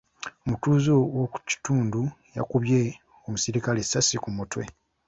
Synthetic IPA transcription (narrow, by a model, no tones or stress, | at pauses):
omutuːzowoku̥ci̥tuːnduja̰kuβje | omusiɾikalesːasikumutwe